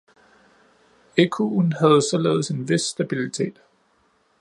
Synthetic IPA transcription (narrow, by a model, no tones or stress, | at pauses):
ekʰunhæð̞̩ˠsɒ̽lḛːð̞̩ˠse̝nʋe̝sːd̥æb̥ilit͡sʰe̝̰ːd̥